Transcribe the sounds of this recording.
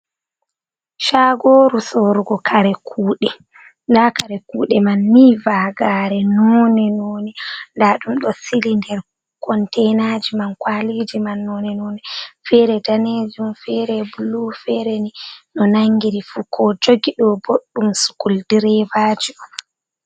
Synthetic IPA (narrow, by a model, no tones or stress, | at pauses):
ʃaɡoːɾusoɾuɡɔkʰaɾɛkʰuːɗɛ | ndakaɾɛkuːɗɛmanːiːvaːɡaːɾɛnɔnɛnɔnɛndaːɗumɗɔsilindɛɾ | kɔntɛnaːd͡ʒimankwalid͡ʒimanːɔːnɛnɔːnɛfɛɾɛdaned͡ʒumfɛɾɛbuluːfɛɾɛninɔnaŋɡiɾifuːkʰɔd͡ʒoɡiɗɔboɗːumsu̥kuldiɾɛvaːd͡ʒiɔn